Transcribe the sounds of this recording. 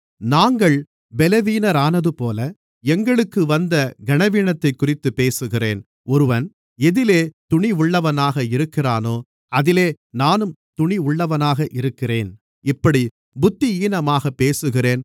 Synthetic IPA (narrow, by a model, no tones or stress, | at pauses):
naːŋɡɐɭ | bɛlɐʋiːnɐɾaːnɐðɯpoːlɐ | ɛŋɡɐɭɯkːɯʋɐnd̪ɐɡɐɳɐʋiɳɐt̪ːɐɪkːʊrɪt̪ːɯpːeːsɯɣɪreːn | ɔɾɯʋɐn | ɛðɪleːt̪ʊɳɪʊɭːɐʋɐnaːɣɐɪɾɯkːɪraːnoː | ɐðɪleː | naːnɯmt̪ʊɳiʊɭːɐʋɐnaːɣɐʔɪɾɯkːɪreːn | ɪpːɐɽi | bʊt̪ːiiːnɐmaːɣɐpːeːsɯɣɪreːn